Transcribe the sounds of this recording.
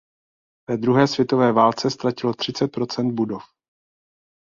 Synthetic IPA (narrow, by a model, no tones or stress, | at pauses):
vɛːd̪ɾuɦɛːsvjɛt̪o̞vɛːvaːlt͡sɛst̪ɾacɪlo̞t̪r̥ɪt͡sɛt̪̚pɾo̞t͡sɛnd̪̚budo̞f